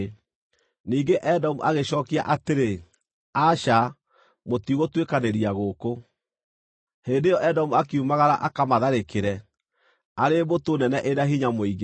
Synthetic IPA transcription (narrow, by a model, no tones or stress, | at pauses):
niːɡeʔɛdɔmuʔaɣeʃɔːkiaʔateɾe | aʃa | motiɣotwekaneɾiaɣoko | heːndejɔʔɛdɔmuakeumaɣaɾaʔakamaðaɾekeɾɛ | aɾemotonɛnɛʔeɾaɦiɲamoiɣe